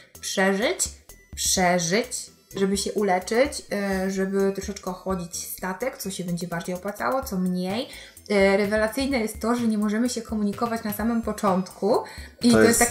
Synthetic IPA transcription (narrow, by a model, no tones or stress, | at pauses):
pʂɛʐɘt͡ɕpʂɛʐɘt͡ɕ | ʐɛbɘɕɛʔulɛt͡ʂɘt͡ɕʐɛbɘt̪ɾɔʂɛt͡ʂkɛɔxɔd͡ʑit͡ɕst̪at̪ɛkt̪sɔɕɛbɛɲd͡ʑɛbaɾd͡ʑejɔpwat̪sa̰wɔt̪sɔmɲej | ɾɛvɛlat̪sɘjnɛjɛst̪ːɔʐɛɲɛmɔʐɛmɘɕɛkɔmuɲikɔvat͡ɕnasamɘmpɔt͡ʂɔnt̪kʰuiɔjest̪ːa